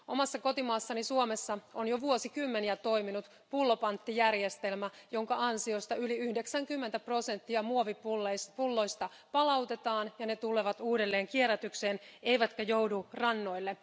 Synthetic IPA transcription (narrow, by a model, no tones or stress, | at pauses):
ʔo̰mɑsːɑko̞t̪imɑːsːɑnisuomesːɑonjoʋuosikymːeniæt̪o̞iminut̪ | pulːopɑnt̪ːijærjest̪e̞lmæjo̞ŋkɑɑnsio̞st̪ɑyliyhde̞ksæŋkymːent̪æpro̞se̞nt̪ːiɑmuoʋiplːpulːojst̪ɑ | pɑlɑwt̪e̞t̪ɑːnjɑnet̪uleʋɑt̪uːdelːeːŋkieræt̪ykseːne̞iʋæt̪kæjowdurɑnːo̞jlːe